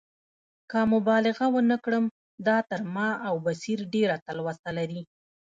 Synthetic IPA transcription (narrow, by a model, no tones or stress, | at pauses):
kamʊbɑlɪɣawənəkɽəm | d̪ɑt̪əɾmɑawbasiɾɖeɾat̪alwast̪alaɾi